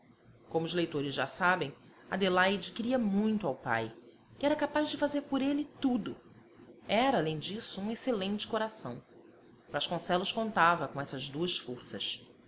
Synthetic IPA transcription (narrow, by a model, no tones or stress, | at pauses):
kõmʊzlejt̪oɾɪzʒa̰sabẽj̃ | a̰d̪elajd͡ʒɪkɪɾiɐmũj̃t̪ʊawpa̰j | ɪɛɾɐkapazd͡ʒɪfazeɾpʊɾelɪt̪ud̪ʊ | ɛɾɐaːlẽj̃d͡ʒisʊũeselẽnt͡ʃɪ̥koɾasɐ̰̃w̃ | b̥ɾaʃkõsɛlʊʃkõnt̪avɐkõɛsɐzd̪uɐsfoɾsɐs